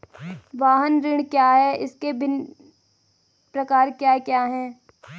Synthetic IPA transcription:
ʋaːɦənɾɪɽ̃kjaːɦɛʔɪskebʱɪn | pɾɐkaːɾkjaːkjaːɦɛː

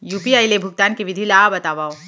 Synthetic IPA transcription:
juːpiaːilebʱʊɡ̚t̪aːnkiʋɪd̪ʱilaːbɐt̪aːʋaːo

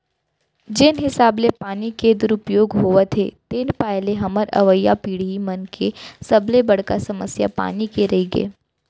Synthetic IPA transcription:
d͡ʒɪnɦɪsaːblepaːniked̪ʊɾʊpjoːɡɦoʋət̪ʰet̪ɪnpɛːleɦɐməɾɐ̰ʋəjːapiːɽ̤imɐnkʰesɐblebɐɽ̤kasɐməsja̰pa̰ːnikeɾɐɦiɡḛː

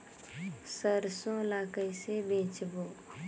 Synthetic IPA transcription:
səɾsõlaːkəisebẽːt͡ʃboː

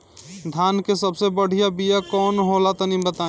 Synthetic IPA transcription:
d̪ʱaːnkesəbsebəɽ̤ijabijakɔːnɦolat̪onĩbət̪ãː

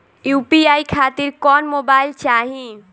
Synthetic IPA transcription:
juːpiaːikʰaːt̪ɪɾkɔːnmoːbaːɪlt͡ʃaːɦĩ

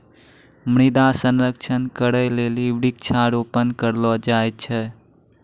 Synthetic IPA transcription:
mɽ̃id̪asənɾəkt͡ʃʰənkəɾəjleliʋɽik̚t͡ʃʰaɾopənkəɾlɔd͡ʒajt̚t͡ʃʰɛ

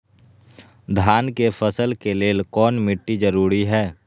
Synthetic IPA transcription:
d̪ʱaːnkefʰəsəlkeleːlkɔːnmɪʈːid͡ʒəɾuːɾiɦɛː

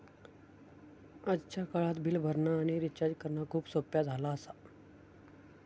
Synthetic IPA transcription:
ətːɕʰakəɭat̪bʱiːlbʱəɾɳaːɽ̃iɾit͡ɕad͡ʑkəɾnakʰuːbsopjad͡zʱalaəsa

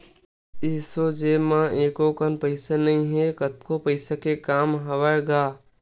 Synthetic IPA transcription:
ɪːsod͡ʒeːmãeːkokənpəɪsenɐɦĩɦekət̪kopəɪsakekaːmɦɐʋəɾɡaː

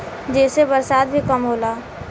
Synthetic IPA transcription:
d͡ʒɛːsebəɾsaːd̪̚bʱikəmɦoːlaː

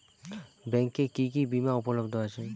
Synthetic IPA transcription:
bɛŋkːekikibimaupolobd̪ʱoat͡ɕʰe

